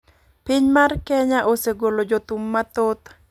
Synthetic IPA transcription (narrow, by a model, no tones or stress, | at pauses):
piɲmarkɛɲaʔoseɡolod͡ʒot̪umːat̪ot̪